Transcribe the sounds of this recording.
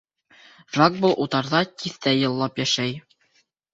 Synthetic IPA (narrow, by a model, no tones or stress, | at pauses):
ʒaɡ̚bolˠʔut̪ɑɾðɑt̪ʲiθt̪æjɤ̆lˠːɑpjæʃæj